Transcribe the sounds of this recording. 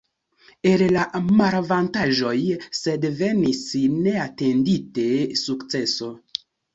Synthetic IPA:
ellamaɾvantaʒo̞jse̞dve̞nisne̞atendite̞sukt͡seso̞

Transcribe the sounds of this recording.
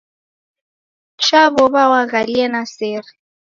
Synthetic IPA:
ʃabɔbawaɣaliɛnaseːrɪ

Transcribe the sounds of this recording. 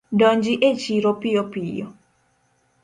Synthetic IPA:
dɔɲd͡ʒiʔet͡ʃiɾopɪjɔpijɔ

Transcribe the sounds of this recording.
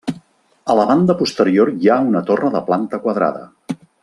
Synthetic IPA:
ələβand̪əpust̪əɾioɾjaunət̪orəðəplant̪əkwəðɾa̰ðə̰

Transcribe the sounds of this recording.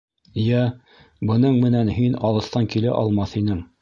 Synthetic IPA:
jæ | bɤ̆nɤɴmɘ̆nænɦinɑlˠɤ̆st̪ɑŋkilæʔɑ̰lˠmɑθhinɘŋ

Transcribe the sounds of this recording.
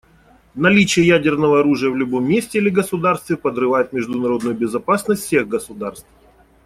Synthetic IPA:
nɐlʲit͡ɕɪjəjædʲɪrnəvəɐɾuʐɨjəvlʲʊbo̞mʲːesʲtʲɪilʲɪɡəsʊd̪arst̪vʲɪpəd̪rɨvajʊt̪̚mʲɪʐd̪ʊnɐɾo̞d̪nʊjʊbʲɪzɐpasnəsʲt̪ʲsʲe̞ɣɡəsʊd̪arst̪f

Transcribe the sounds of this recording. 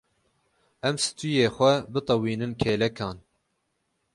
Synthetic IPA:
ɛmsɨ̥t̪ujeːxʷɛbɨt̪ˤɑwiːnɨnkʰeːlɛkʰɑːn

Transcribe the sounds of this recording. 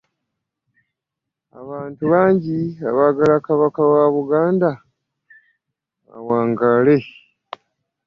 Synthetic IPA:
a̰βaːntuβaːɲɟiaβaːɡalakaβakawaβuɡaːnda | a̰waːŋɡale̞

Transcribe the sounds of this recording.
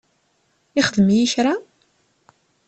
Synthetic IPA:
ɪχəðmjiʃɾa

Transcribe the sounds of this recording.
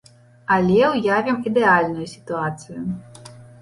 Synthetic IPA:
ɐlʲɛʊjavʲimid̪ɛalʲnʊjʊsʲi̥t̪ʊat̪sɨjʊ

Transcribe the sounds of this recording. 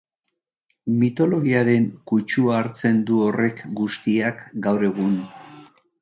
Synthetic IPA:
mit̪o̞lo̞ɣiaɾe̞ŋkut͡ʃuaːɾt͡se̞nd̪uo̞re̞kɡust̪iakɡawɾe̞ɣ̞un

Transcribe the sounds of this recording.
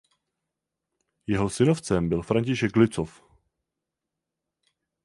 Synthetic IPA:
jɛɦo̞sɪno̞ft͡sɛmbɪlfɾaɲcɪʃɛɡlɪt͡sof

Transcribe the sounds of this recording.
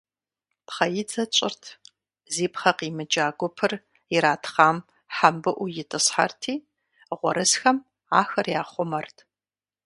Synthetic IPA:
pχɐjɪd͡zɐt͡ʃʼɪrtʰ | ziːpχɐqiːmɨd͡ʒaːɡʷʊpʰɨr | jɪɾaːtʰχaːm | ħambɨʔʷʊjɪtʰʼɨsħa̰rtʰiː | ʁʷɔ̰ɾʔɨsxɐm | aːxɐrjaːχʷʊmɐrtʰ

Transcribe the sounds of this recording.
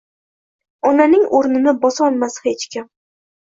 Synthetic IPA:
ɒnanɪŋoɾnɪnɪbɒsɒlˠmashet͡ʃkʲɪm

